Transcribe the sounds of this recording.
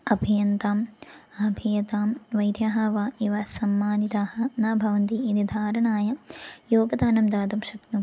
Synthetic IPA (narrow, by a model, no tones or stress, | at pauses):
ɐbʱijɐnt̪aːmɐbʱijɐt̪aːmʋɐjd̪ʱjaːɦɐʋaːiʋɐsɐmːaːnit̪aːhɐnaːbʱɐʋɐnt̪iid̪id̪ʱaːɾɐɳaːjɐjoːɡɐd̪aːnɐmd̪aːd̪ɐmʃɐknu